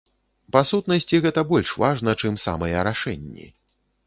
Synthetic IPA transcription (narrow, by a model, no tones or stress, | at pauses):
pasut̪nɐsʲt͡sʲiɣɛt̪ɐbɔlʲʂvaʐn̪ɐt͡ʂɨmsa̰mɐjɛɾaʂɛnʲːḭ